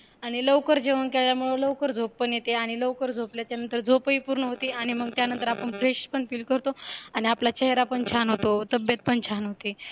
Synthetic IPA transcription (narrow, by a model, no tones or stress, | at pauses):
aɽ̃iləʋkəɾd͡ʑeʋəɳkeɭljamuɭələʋkəɾd͡zʱoppəɳjet̪eaɽ̃iləʋkəɾd͡zʱopljat͡ɕjanənt̪əɾd͡zʱopəipuɾɳəɦot̪iːaɽ̃iməɡ̚t̪janənt̪əɾapəɳfɾeɕpəɳfiːlkəɾt̪oaɽ̃iaplat͡ɕʰeɦeɾapəɳt͡ɕʰanɦot̪ot̪əbjət̪̚pəɳt͡ɕʰanɦot̪e